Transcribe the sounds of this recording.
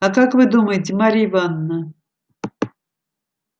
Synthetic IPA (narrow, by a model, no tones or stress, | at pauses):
akakvɨd̪uməjɪtʲɪmaɾʲivanːə